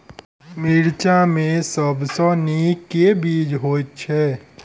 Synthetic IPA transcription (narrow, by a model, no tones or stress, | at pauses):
miɾt͡ʃamẽsəbsɔniːkːebiːd͡ʒɦoːt͡ʃʰɛː